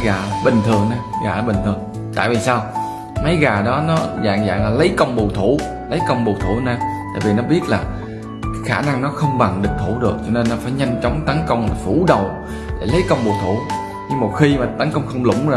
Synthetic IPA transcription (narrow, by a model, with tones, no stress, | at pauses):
ɣaː˨˩ɓï˨˩ŋ̟t̪ʰɨ˨˩əŋnaː˧ɣa̰ː˨˩˧ɓï˨˩ŋ̟t̪ʰɨ˨˩əŋ | t̪a̰ː˧˨jvi˨˩saː˧w | mə˨˦jɣaː˨˩ɗɔ˨˦nɔ˨˦za̰ː˧˨ŋza̰ː˧˨ŋlaː˨˩lə˨˦jkə˧wŋ͡mɓu˨˩t̪ʰu˧˩ | lə˨˦jkə˧wŋ͡mɓu˨˩t̪ʰṵ˧˩nɛː˧t̪a̰ː˧˨jvi˨˩nɔ˨˦ɓi˦˥ət̚laː˨˩ | kaː˨˦xaː˧˩na˧ŋnɔ˨˦xə˧wŋ͡mɓa˨˩ŋɗɨ̈˨˩k̚t̪ʰu˧˩ɗɨ˨˩ək̚t͡ɕɔ˧ne˧nːɔ˨˦faː˧˩jɲa˧jŋ̟t͡ɕɔ˨˦wŋ͡mt̪ə˨˦nkə˧wŋ͡mla˨˩fu˧˩ɗə˨˩w | ɗḛ˧˩lə˨˦jkə˧wŋ͡mɓo˨˩t̪ʰu˧˩ | ɲɨ˧ŋmo˨˩t̚xi˧maː˨˩t̪ə˨˦nkə˧wŋ͡mxə˧wŋ͡mlʊ̰˧˩ŋ͡m